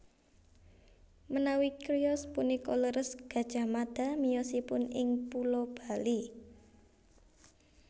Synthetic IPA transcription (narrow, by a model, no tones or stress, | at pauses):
mənawikɾiɔspunikɔləɾəsɡ̥a̤d̥ʒ̥a̤mad̪̥a̤mijɔsipʊnɪŋpulɔb̥a̤li